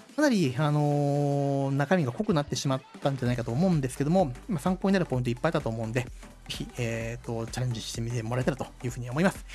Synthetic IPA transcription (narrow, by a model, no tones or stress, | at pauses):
kanaɾʲiano̞ | nakamʲiɡako̞kɯ̟nat̪ːe̞ɕimat̪ːãndeanaikat̪oːmo̞ɯ̟̃nd̪e̞sɨ̥ke̞d̪o̞mo̞masãŋkoːɲinaɾɯ̟po̞ĩnt̪oipːait̪at̪oːmo̞ɯ̃nd̪e̞ | ze̞çʲieːt̪ːo̞t͡ɕaɾʲẽ̞ɲ̟d͡ʑiɕi̥t̪emʲit̪emoɾaɾe̞t̪aɾɯt̪o̞jɯ̟ːɸɯ̟ːiamoimasɨ̥